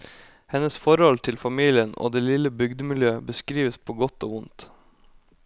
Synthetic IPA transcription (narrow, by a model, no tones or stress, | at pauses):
hɛnəsfɔɾhɔlt̪ʰɪlfɑmiːlɪəno̰ːd̪eːlɪləbʏɡd̪əmɪljøːəbəskɾiːʋəspʰoːɡɔt̪o̰ːʊnt̪